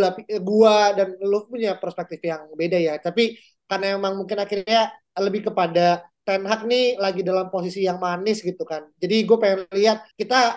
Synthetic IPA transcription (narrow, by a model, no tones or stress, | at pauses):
lapɡuadanlʊpuɲapərspɛk̚t̪ɪfjaŋbedajat̪api | karnamemaŋmuŋkɪnakirɲa | ləbɪhkəpadat̪ɛnɦak̚nilaɡidalampos̬isijaŋmanɪsɡit̪ukand͡ʒadiɡuapajanliɦat̪̚kit̪a